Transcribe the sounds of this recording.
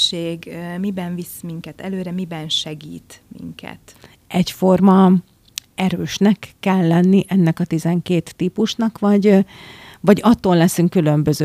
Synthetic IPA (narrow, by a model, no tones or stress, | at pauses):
ʃeːɡmibɛɱvismiŋkɛt̪ɛløːɾɛmibɛnʃɛɡiːt̪mḭŋkʰɛ̰t̪ | ʔɛcfo̞rmɒ | ɛɾøːʃnɛkːɛlːɛnːiʔɛnːɛkɒt̪izɛŋkeːt̪ːiːpuʃnɒkʋɒɟ | vɒɟɒt̪ːoːlːɛsyŋkːylø̞mbø̞zø